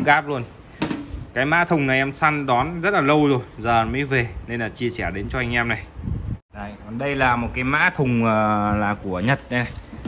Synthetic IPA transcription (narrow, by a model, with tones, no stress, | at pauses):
ɣaː˦˥p̚lu˧ən | kaː˨˦jma̰ː˧˥t̪ʰʊ˨˩ŋ͡mna˨˩jʔɛ˧msa˧nɗɔ˨˦nzə˦˥t̚laː˨˩lə˧wzo˨˩jzəː˨˩məː˨˦jve˨˩ne˧nlaː˨˩t͡ɕi˧əsɛ˧˩ɗe˨˦nt͡ɕɔ˧ʔa˧jŋ̟ʔɛ˧mna˨˩j | a˧˩kɔ˨˩nɗə˧jlaː˨˩mo˨˩t̚kaː˨˦jma̰ː˧˥t̪ʰʊ˨˩ŋ͡məː˨˩laː˨˩ku˧˩əɲə˨˩t̚ɗə˧na˧˩j